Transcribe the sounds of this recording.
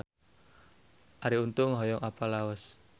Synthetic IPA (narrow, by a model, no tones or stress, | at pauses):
ʔaɾiunt̪ʊŋɦɔjɔŋʔapalaɔs